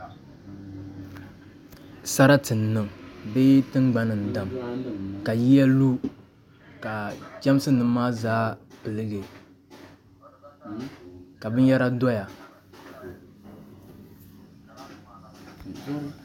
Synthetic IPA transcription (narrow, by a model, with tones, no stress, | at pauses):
sa˦ɾa˦tɨ˨nː˨ɨ˨mbe˦tɨ˦ŋɡ͡ba˦nɨ˨n˨da˨mka˨ji˦ja˦lu˦ | ka˨t͡ʃɛ˦m˦sɨ˦nɨ˦maː˦zaː˦pɨ˨lɨ˦ɡe˨ | ka˨bɨ˦n˦jɛ˦ɾa˦dɔ˦ja˨